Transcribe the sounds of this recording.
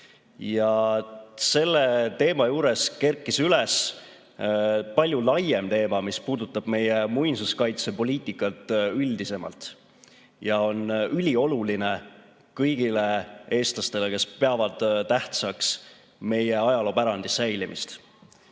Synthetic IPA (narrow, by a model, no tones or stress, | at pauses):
jɑ | se̞lːet̪e̞ːmɑjuːɾe̞ske̞rkːˑisyles | pɑlʲjulɑje̞mt̪e̞ːmɑmispuːd̪ut̪ːˑɑb̥me̞jemujnsuskɑjt̪sepo̞lʲiːt̪ˑikːˑɑt̪ːˑyld̪ise̞mɑ̰lt̪ | jɑo̞nylʲio̞luline̞ | kɤjɡ̥ile̞e̞ːst̪lɑst̪e̞leke̞spe̞ɑvɑd̪̥t̪æht̪sɑks | me̞jeɑjɑlo̞ːpæɾɑnd̪̥isːæjlimḭst̪